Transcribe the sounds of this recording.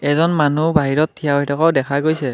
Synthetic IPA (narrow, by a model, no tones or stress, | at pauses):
ɛzɔnmanubaɦiɹɔtʰːijawɦɛjtɔkaʊdɛkʰaɡojsɛ